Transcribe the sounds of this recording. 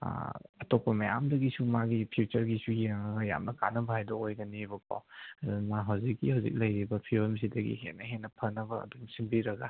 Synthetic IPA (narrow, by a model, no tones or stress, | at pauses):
ɐtopːɐmɐja̰mdɐɡisumaɡipʰiut͡ʃɐɾɡisujeŋɐɡɐja̰mnɐkanɐbɐhajdɐojɡɐnibɐpa̰wɐdnaɦɐwzikːihawzḭk̚lɐjɾibɐpʰioms̬idɐɡḭɦḛnːɐɦenːɐpʰɐnɐbɐɐ̰dunsimbiɾɐɡa̰